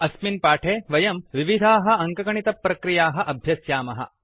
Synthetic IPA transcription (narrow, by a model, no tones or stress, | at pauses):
ɐsminpaːʈʰeːʋɐjɐmʋiʋid̪ʱaːɦɐ̆ɐŋkɐkɐɳit̪ɐpːɾɐkɾijaːɦɐ̆ʔɐbʱjɐsjaːmɐɦɐ̰̆